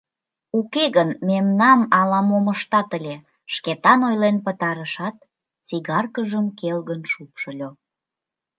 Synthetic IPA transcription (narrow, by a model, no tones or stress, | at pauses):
ukeɣənmemnɑmɑlɑmoməʃt̪ɑt̪əlʲe | ʃket̪ɑnojlenpət̪ɑɾəʃɑt̪ | t͡siɣɑrkəʒəmkelɣənʃupʃə̆lʲo